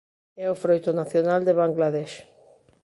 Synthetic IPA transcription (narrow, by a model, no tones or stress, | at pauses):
ɛofɾojt̪onaθjonald̪eβaŋɡlaðɛʃ